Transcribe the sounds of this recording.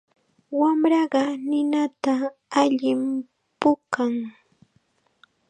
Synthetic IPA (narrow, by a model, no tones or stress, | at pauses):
wamɾɑɢɑnɪnat̪aːʎɪm | pʊkaŋ